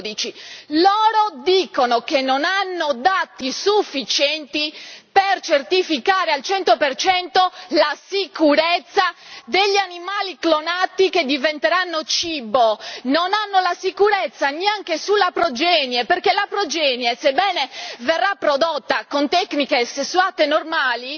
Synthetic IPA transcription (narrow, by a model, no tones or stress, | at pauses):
d̪it͡ʃilɔːɾod̪iːkonokenːonanːod̪at̪isufːit͡ʃɛnt̪ipert͡ʃert̪ifikaːɾealt͡ʃɛnt̪opert͡ʃɛnt̪olasikuɾet̪sːad̪eʎːanimaːliklonat̪iked̪ivent̪eɾanːot͡ʃiːbononanːolasikuɾɛt̪sːaneaŋk̟esulːapɾod͡ʒɛːnjeperkelapɾod͡ʒɛːnjesebːɛːneverːapːɾod̪ot̪ːakont̪ɛknikesesːuaːt̪enormaːli